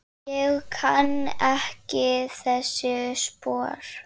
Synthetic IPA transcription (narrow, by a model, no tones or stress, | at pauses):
jɛɣkʰanːɛhcɪθɛsːɪspɔːɾ̥